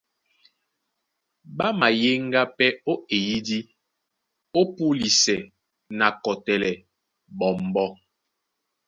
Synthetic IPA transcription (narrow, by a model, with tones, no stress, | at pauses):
ba˦ma˨je˦ŋ˦ɡa˦pɛ˦o˦e˨ji˦di˦ | o˦pu˦li˨sɛ˨ | na˨kɔ˨tɛ˨lɛ˨ | bɔ˨m˨bɔ˦